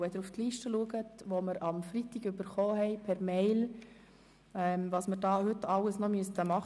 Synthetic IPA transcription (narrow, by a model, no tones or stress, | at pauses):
ɛd̪əɾuftliːʃtəluəɡətʋoməɾɑmfɾitɪɡøbəɾχoːhɛɪpʰɛɾmeɪl | ɛːmvɑːsməɾdɑːhʏtɑlːəsnɔmyəstəmɑχ